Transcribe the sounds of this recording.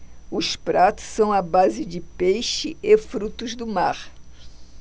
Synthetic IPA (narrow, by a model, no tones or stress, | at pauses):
ʊspɾat̪ʊ̥ssɐ̃w̃ɐbazɪd͡ʒɪpejʃɪʔefɾut̪ʊzd̪ʊmaɾ